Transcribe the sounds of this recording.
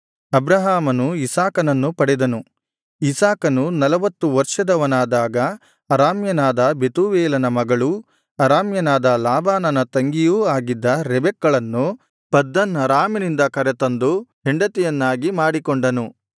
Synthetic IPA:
ɐbɾɐɦaːmɐnuisaːkɐnɐnːupɐɽɛd̪ɐnu | isaːkɐnunɐlɐʋɐt̪ːuʋɐɾʂɐd̪ɐʋɐnaːd̪aːɡɐː | ɾaːmjɐnaːd̪ɐbe̞t̪uːʋɛːlɐnɐmɐɡɐɭu | ɐɾaːmjɐnaːd̪ɐlaːbaːnɐnɐt̪ɐŋɡijuːaːɡid̪ːɐɾɛbɛkːɐɭɐnːu | pɐd̪ːɐnɐɾaːminind̪ɐkɐɾet̪ɐnd̪uɦeɳɖɐt̪ɛjɐnːaːɡimaːɽikoɳɖɐnu

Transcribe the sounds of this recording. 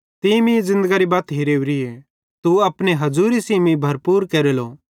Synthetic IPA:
t̪imĩzɪ̃nd̪əɡaɾibaːt̪ɦiɾeːʋɾie | t̪uɐpneɦɐzuːɾisiːmĩbʱɐɾpuːɾkeːɾelo

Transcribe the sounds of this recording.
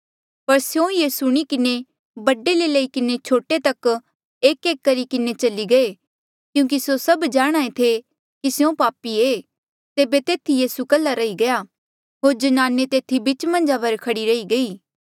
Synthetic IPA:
pɐɾsjõjeːsuɽ̃ikɪne | bɐɖelelɐikɪnet͡ʃʰoːʈet̪ɐk | eːkeːkːɐɾikɪnet͡ʃɐliɡɐe | kjũːk̬isosɐbd͡ʒaːɽ̃aːet̪ʰe | kisjõpaːpieː | t̪eːbet̪eːt̪ʰijiːsukɐlːaɾɐiɡɐjaː | ɦoːɾd͡ʒɐnaːnet̪eːt̪ʰibɪt͡ʃmɐ̃nd͡ʒapɐɾkʰɐɽiɾɐiɡɐiː

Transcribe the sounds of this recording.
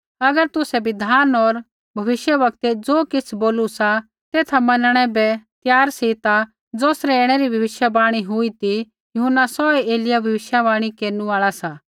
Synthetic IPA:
ɐɡəɾt̪ʊsɛbɪd̪ʱaːnɔːɾ | bʱɐʋɪʃjəʋɐk̚t̪ed͡zoːkɪt͡sʰboːlusa | t̪eːt̪ʰamɐnəɽ̃ɛbɛt̪jaːɾsit̪a | d͡zoːsɾɛeːɽ̃ɛɾibʱɐʋɪʃjabaːɽ̃iɦʊit̪i | jʊɦʊnːasɔeeːlɪjabʱɐʋɪʃjabaːɽ̃ikeːɾnũaːɭasaː

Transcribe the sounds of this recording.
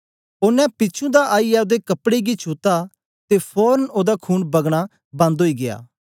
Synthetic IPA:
oːnɛ̃pɪːt͡ʃʰũd̪aʔaːijad̪ekɐpɽeɡit͡ʃʰuːt̪a | t̪epʰɔːɾənoːd̪akʰuːnbɐɡɽ̃a | bɐ̃nd̪ɦoːiɡeja̰ː

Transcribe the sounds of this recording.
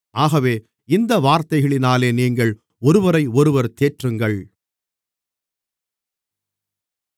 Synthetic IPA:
aːɣɐʋeː | ɪnd̪ɐʋaːɾt̪ɐɪɣɐɭɪnaːleːniːŋɡɐɭ | ɔɾɯʋɐɾɐɪɔɾɯʋɐɾt̪eːʈrɯŋɡɐɭ

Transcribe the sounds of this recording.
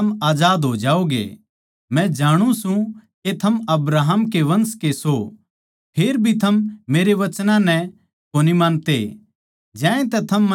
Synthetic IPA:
ɐmaːd͡ʒaːd̪ɦod͡ʒaːoɡḛ | mɛ̃d͡ʒaːɽ̃ũsũket̪ʰɐmɐbɾaːɦəmkeʋɐ̃nskeso | pʰeːɾbʱit̪ʰɐmːeːɾeʋɐt͡ʃnãnɛ | koːnimaːnt̪e | d͡ʒɛ̃ːẽt̪ɛt̪ʰɐmː

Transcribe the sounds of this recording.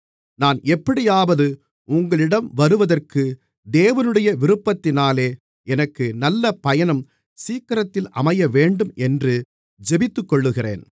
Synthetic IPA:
naːnɛpːɐɽɪjaːʋɐðɯ | ʊŋɡɐɭɪɽɐmʋɐɾɯʋɐðɐrkɯ | d̪eːʋɐnɯɽɐjɐʋɪɾɯpːɐt̪ːɪnaːleː | ɛnɐkːɯnɐlːɐpɐjɐnɐm | siːkːɐɾɐt̪ːɪlʔɐmɐjɐʋeːɳɖɯmʔɛndrɯ | d͡ʒɛbɪt̪ːɯkːɔɭːɯɣɪrḛːn

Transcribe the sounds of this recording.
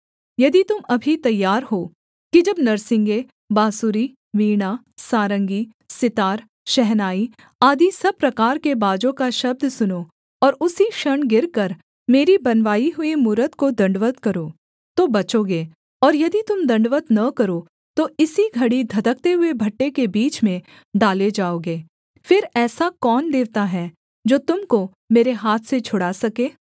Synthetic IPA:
jɐd̪it̪ʊmɐbʱit̪ɐjːaːɾɦoː | kid͡ʒɐbnɐɾsɪ̃ŋɡe | baːsuːɾi | ʋiːɽ̃a | saːɾə̃ŋɡi | sɪt̪aːɾ | ʃɛɦnaːi | aːd̪isɐb̚pɾɐkaːɾkebaːd͡ʒõkaʃɐb̚d̪sʊnoː | ɔːɾʊsiʃɐɳɡɪɾkɐɾ | meːɾibɐnʋaːiɦʊemuːɾət̪kod̪ɐ̃ɳɖʋət̪kɐɾoː | t̪obɐt͡ʃoːɡeː | ɔːɾjɐd̪it̪ʊmd̪ɐ̃ɳɖʋət̪nɐkɐɾo | t̪oɪsiɡʱɐɽid̪ʱɐd̪ək̚t̪eɦʊebʱɐʈːekebiːt͡ʃmẽ | ɖaːled͡ʒaːoːɡeː | fɪɾɛːsakɔːnd̪eːʋt̪aɦɛ | d͡ʒoːt̪ʊmko | meːɾeɦaːt̪ʰset͡ʃʰʊɽasɐkeː

